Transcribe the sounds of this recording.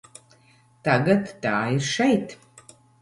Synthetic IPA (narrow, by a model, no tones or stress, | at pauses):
t̪aɡat̪ːaːiɾʃɛjt̪